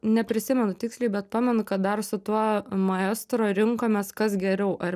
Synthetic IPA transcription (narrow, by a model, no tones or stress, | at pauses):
nʲɛpʲɾʲɪsʲɪmʲɛnʊt̪ʲɪksʲlʲɛɪbʲɛt̪̚pɑːmʲɛnʊkɐt̪̚d̪ɐrsʊt̪uɔmɐɛst̪ɾoːɾʲɪŋkoːmʲɛskɐsɡʲɛɾʲɛʊʔɐr